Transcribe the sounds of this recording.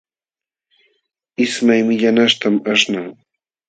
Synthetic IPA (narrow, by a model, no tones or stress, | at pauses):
ɪsmajmɪʎanaʃt̪amaʂnaŋ